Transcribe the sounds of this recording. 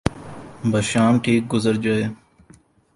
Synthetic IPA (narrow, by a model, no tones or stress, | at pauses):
bʱəʃaːmʈʰiːk̚ɡʊzəɾd͡ʒaeː